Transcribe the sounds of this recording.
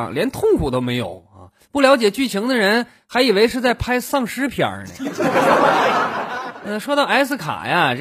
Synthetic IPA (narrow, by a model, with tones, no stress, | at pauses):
ŋljɛ˧˥nt̪ʰʊ˥˩ŋkʰu˨˩t̪o˥ʊme˧˥ɪjo̰˨˩˦ʊɐ̰˧ | pu˥˩ljɑ˧˥ʊt͡ɕjɛ˨˩t͡ɕy˥˩t͡ɕʰi˧˥ŋd̪ə˧ɻə˧˥n | xa˧˥ɪi˨˩we˧˥ɪʂɻ̩˥˧t͡sa˥˩ɪpʰa˥ɪsɑ˥˩ŋʂɻ̩˥pʰjə̰˞˨˩nə̰˧ | ə˥˩ʂwɔ˥t̪ɑ˥˩ʊa˧˥ɪsɹ̩˥˩kʰa̰˨˩ja˧